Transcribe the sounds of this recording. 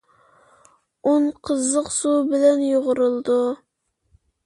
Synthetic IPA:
onqʰəzːəqsubɪlɛnjoʁʊɾɨlˠd̪u

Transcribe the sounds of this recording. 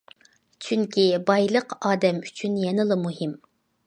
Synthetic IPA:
t͡ʃʰyŋkʲʰibɑjlˠəqɑːd̪ɛmyt͡ʃʰynjɛnɨlˠɨmuɦɪm

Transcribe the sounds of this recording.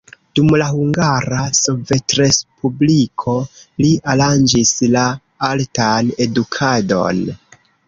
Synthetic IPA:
d̥umlahuŋɡaɾasove̞tɾe̞spublikʰo̞lialand͡ʒisla | altane̞dukʰado̞̰n

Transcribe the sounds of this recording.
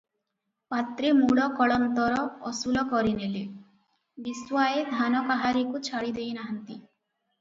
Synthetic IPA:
pat̪ɾemuɭɔkɔɭɔnt̪ɔɾɔɔsulɔkɔɾinele | biswaed̪ʱanɔkaɦaɾikut͡ʃʰaɽid̪ejnaɦant̪i

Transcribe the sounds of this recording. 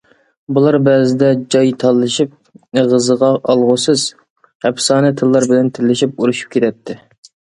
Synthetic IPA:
bulˠɑɾbɛːzɪd̪ɛd͡ʒɑjt̪ʰɑlˠːɨʃip̚eʁəzəʁɑʔɑlˠʁʊsɨz̥ | hɛpsɑːnɨt̪ʰɨlˠːɑɾbɪlɛnt̪ʰɪlːɪʃip̚uɾuʃu̥p̚kʲʰet̪ʰɛt̪ʰːɪ

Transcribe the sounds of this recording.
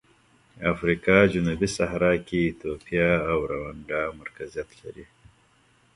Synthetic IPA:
afɾikɑd͡ʒʊnubisaɦɾɑkeːt̪opjaːwɾawaɳɖamaɾkazijat̪la̰ɾi

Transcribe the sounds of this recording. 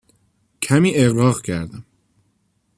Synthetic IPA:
cʰæmiːʔeɣɾɒːɣcʰæɾd̪æm

